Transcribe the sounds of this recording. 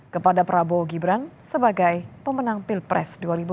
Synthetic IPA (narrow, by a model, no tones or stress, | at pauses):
kəpadapɾaboɡibɾansəbaɡajpəmənaŋpilpɾɛ̰sduaɾibu